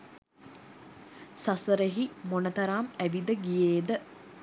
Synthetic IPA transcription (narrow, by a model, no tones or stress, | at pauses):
sasəɾeɦimonət̪ɐɾaːmæʋid̪əɡijeːd̪ə